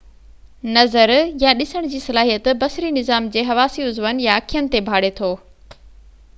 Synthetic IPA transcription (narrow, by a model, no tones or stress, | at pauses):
nɐzəɾjaɗɪsəɽ̃d͡ʑiːsɐlaːɦijət̪bɐsɾinɪzaːmd͡ʑeːɦɐʋaːsiʊzʋənjaɐkʰijənɪ̆t̪ebʱaːɽet̪ʰoː